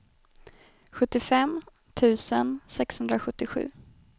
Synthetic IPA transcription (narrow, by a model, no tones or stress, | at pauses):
ɧɵt̪ːɪfɛm | t̪ʰʉ̟ːsənsɛkshɵnd̪ɾaɧɵt̪ːɪɧʉ̟̰ː